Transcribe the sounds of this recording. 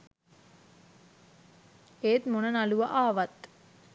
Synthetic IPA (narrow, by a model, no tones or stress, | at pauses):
eːt̪monənaluʋaʔaːʋat̪